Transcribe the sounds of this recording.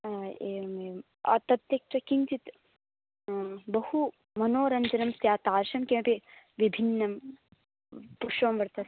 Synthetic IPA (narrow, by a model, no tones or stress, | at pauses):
eːɐme | ɐ̰t̪ɐt̪jɐkt͡ʃɐkint͡ʃit̪ | bɐhu | mɐnoːɾɐɲd͡ʒɐnɐmst̪jaːt̪aːɾʃɐmkẽɐpi | ʋibʱinːɐm | puʃʋɐmʋɐɾt̪ɐs